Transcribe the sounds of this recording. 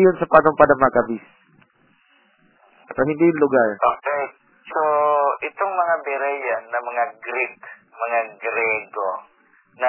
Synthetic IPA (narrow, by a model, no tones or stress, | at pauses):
jonsɐpanoŋpad̪ɐŋmɐakɐbis | sɐhɪnd̪ijʊŋlʊɡaɹʔoːkɛj | soʔɪt̪oŋmɐŋabɛɾɛjanːɐmɐŋaɡɾitmɐŋaɡɾɛɡo | nɐ